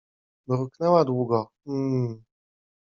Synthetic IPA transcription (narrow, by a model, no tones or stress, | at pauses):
ɾuknɛwad̪wuɡɔ | m̩